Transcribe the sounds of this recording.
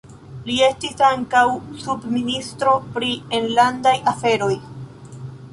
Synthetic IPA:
lie̞stisaŋkawsubministɾo̞pɾienlandajafe̞ɾo̞j

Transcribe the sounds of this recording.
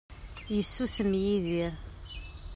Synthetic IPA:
jəsːusəmjiðiɾ

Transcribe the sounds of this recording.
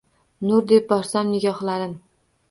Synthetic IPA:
nʊɾd̪e̞p̚bɒɾsamnɪɡʲɒχlˠaɾɪm

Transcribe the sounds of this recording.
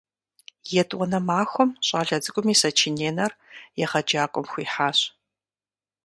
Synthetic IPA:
jɛtʼʔʷʼɔnɐmaːxʷɔmɕʼaːɮɐd͡zɨkʷʼʊmiːsɐt͡ʃʰineːnɐrjɛʁɐd͡ʒaːkʷʼɔmxʷiːħaːɕ

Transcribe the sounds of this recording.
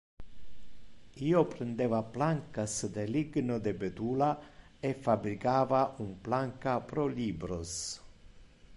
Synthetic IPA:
iːopɾend̪eːvaplaŋkasd̪eliɡnod̪ebet̪uːla | efːabɾikaːvaʔumplaŋkapɾoliːbɾos

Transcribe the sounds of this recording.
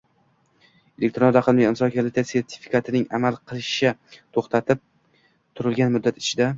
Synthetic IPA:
e̞lʲʔek̚ʲt̪ɾonɾaqʰɨlˠmijɪmsɒkʰalɪt̪ese̞ɾt̪ʰɪ̥fi̥kʰat̪ʰɪnɪŋamalˠqʰɨlˠɪʃat̪ʰoχt̪ʰat̪ʰɪp̚ | t̪ʰʊɾɪlɡʲanmʊd̪ːat̪ɪ̥t͡ʃʰɪd̪a

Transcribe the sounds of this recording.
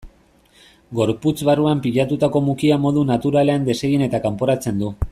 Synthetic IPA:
ɡo̞ɾput͡sβaruampiʎat̪ut̪ako̞mukiamo̞ðunat̪uɾale̞and̪e̞se̞ɣine̞t̪akampo̞ɾat͡se̞nd̪u

